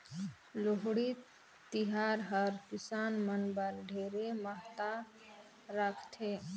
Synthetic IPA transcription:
loɦɽi | t̪iɦaːɾɦəɾkɪsaːnmənbəɾɖʱeːɾeməɦt̪a | ɾəkʰt̪ʰeː

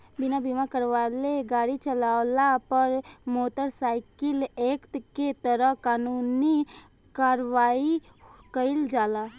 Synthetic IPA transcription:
bɪnabimakəɾʋaːleɡaːɽit͡ʃəlaːlapəɾmoːt̪əɾsaːɪkɪleːkt̪ket̪əɾəɦkaːnuːni | kaːɾʋaːi | kəɪld͡ʒaːla

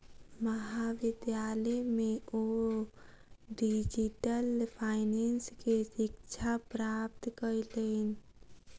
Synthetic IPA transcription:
məɦaʋɪd̪jaləmeo | ɖid͡ʒiʈəlpʰaɪnenskesɪkt͡ʃʰapɾap̚t̪kəɾlən

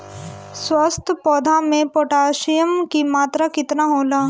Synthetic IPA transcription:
swəst̪ʰpɔːd̪ʱamẽpoːʈaːʃijəmkimaːt̪ɾakɪt̪naɦoːlaː

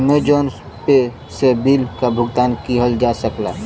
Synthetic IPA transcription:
med͡ʒɔːns | pe | sebiːlkabʱʊɡt̪aːnkiɦəld͡ʒasəkla̰

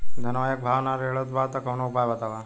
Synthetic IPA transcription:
d̪ʱɐnɐʋaːjɐk̚bʱaːʋnaɾɦeːɭod̪baːt̪ɐkɐwnokbaːjʋat̪aʋa

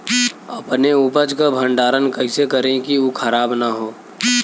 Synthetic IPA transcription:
əpneuːpəd͡ʒkabʱə̃ɳɖaːɾənkəɦɪsekəɾẽkiukʰəɾaːbnaɦoː

